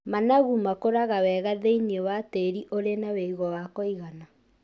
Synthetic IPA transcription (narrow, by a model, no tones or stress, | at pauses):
manaɣumakoɾaɣawɛɣaðeiniewateɾiʔoɾenaweiɣɔwakɔiɣana